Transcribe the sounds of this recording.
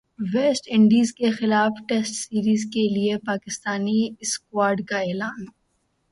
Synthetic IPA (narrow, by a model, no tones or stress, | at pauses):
ʋeːsʈɪ̃ɳɖiːzkexɪlaːfʈɛsʈsiːɾiːzkeliepaːkɪst̪aːniɪskwaːɾɖkaeːlaːn